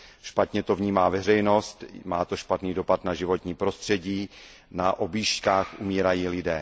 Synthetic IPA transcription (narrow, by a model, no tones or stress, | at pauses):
ʃpat̪ɲɛt̪o̞vɲiːmaːvɛr̝ɛjno̞st̪maːt̪o̞ʃpat̪niːdo̞pat̪naʒɪvo̞t̪ɲiːpɾo̞st̪r̝̥ɛɟiː | naʔo̞bjiːʃckaːxʔumiːɾajiːlɪdɛː